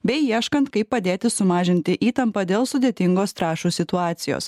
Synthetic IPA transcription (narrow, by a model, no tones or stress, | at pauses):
bʲɛɪiɛʃkɐnt̪kɐɪpːɐd̪ʲeːt̪ʲɪsʊmɑːʒʲɪnʲt̪ʲɪʔiːt̪ɐmpɐd̪ʲeːlˠsʊd̪ʲeːt̪ʲɪŋɡoːst̪ɾɑːʃuːsʲɪt̪ʊɑːt̪sʲɪjo̰ːs